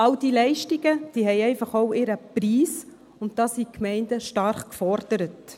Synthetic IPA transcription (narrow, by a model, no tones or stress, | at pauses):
ɑwd̥iːlɛɪʃtiɡəd̥iːhɛjɛɪfɑχoʊɪɾəpɾiːs | ʊnt̚dɑːsiːkmɛɪnd̥əʃtɑɾχkfɔɾd̥əɾət